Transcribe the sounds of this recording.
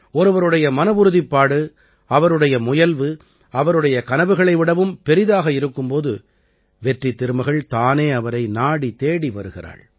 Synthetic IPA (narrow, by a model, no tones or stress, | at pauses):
ɔɾɯʋɐɾɯɽɐjɐmɐnɐʋɯɾɯðɪpːaːɽɯ | ɐʋɐɾɯɽɐjɐmʊjɐlʋɯ | ɐʋɐɾɯɽɐjɐkɐnɐʋɯɣɐɭɐɪʋɪɽɐʋɯmpɛɾɪðaːɣɐɪɾɯkːɯmpoːðɯ | ʋɛʈrit̪ːɪɾɯmɐɣɐɭt̪aːneːɐʋɐɾɐɪnaːɽit̪eːɽiʋɐɾɯɣɪɾa̰ːɭ